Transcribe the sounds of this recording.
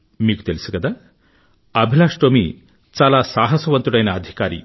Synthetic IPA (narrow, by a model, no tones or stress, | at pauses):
miːɡu̥t̪elisuɡɐd̪a | ɐbʱilaːʂʈoːmi | t͡ʃaːlaːsaːɦɐsɐʋɐnt̪uɽɐjnɐːd̪ʱikaːɾḭ